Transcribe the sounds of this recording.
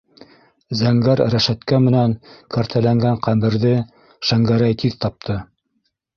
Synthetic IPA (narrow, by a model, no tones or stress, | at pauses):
zæŋɡæɾɾæʃæt̪kæmɘ̆næŋkɑɾt̪ʰælæŋɡæŋqæmɘ̆ɾðɘ | ʃæŋɡæɾæjt̪ʰiðt̪ɑp̚t̪ʰɤ